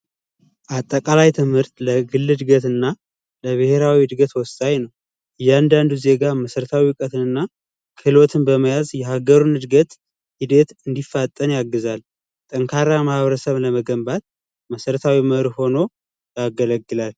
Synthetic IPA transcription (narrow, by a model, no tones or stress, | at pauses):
ʔat̪ʼːəkʼalajt̪ʰɨmhɨɾt̪ʼləɡɨlːɨd̪ɡət̪ɨnːa | ləβɨhe̞ɾawid̪ɡət̪wɔst̪ʼajnəw | ɨjːand̪and̪uze̞ɡaməsəɾət̪ʰawiwkʼət̪ʰɨnɨnːa | kʰɨlot̪ʰɨnbəməjazjɛhaɡəɾunɨd̪ɡət̪ | hid̪et̪ɨnd̪ifːat̪ʼːənjaɡːɨzal | t̪ʼəŋkʰaɾamahβɾəsəβləməɡəmbat̪̚ | məsəɾət̪ʰawiməɾho̞no̞ | jaɡələɡːɨlal